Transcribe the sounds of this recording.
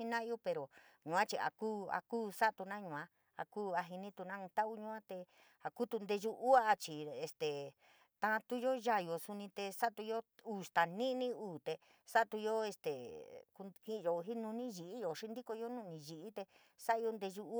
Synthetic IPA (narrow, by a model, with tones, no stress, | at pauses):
i˧nã˦˧o˦pe˧ɾo˨ɲũ˨ã˦t͡ʃi˧a̰˨kuː˦a̰˧kuː˦sa˦t̪u˧nã˦ɲũ˧˨ã˧˦ | a̰˧kuː˦a˧ɦi˧nĩ˦t̪u˧nã˦ũ˧t̪a˦ʔu˦ɲũ˧˦ã˦t̪e˧ | a˨ku˦t̪u˧nd̪e˧ʒu˧ʔu˦a˦˧t͡ʃi˨e˨st̪e˨ | t̪ã˧t̪u˦jo˦ʒa˧˨jo˨su˧nĩ˧t̪e˧sa˦t̪u˧jo˦uː˨st̪a˨nĩ˦nĩ˦uː˨t̪e˧ | sa˦t̪u˧jo˦e˧st̪e˨ku˧hĩ˦˧jo˧ɦi˦nũ˧nĩ˦ʒi˨ʔi˦jo˨ʂi˦nd̪i˦ko˧jo˦nũ˦˧nĩ˧ʒi˧ʔi˦t̪e˧ | sa˦ʔjo˧nd̪e˧ʒu˧u˦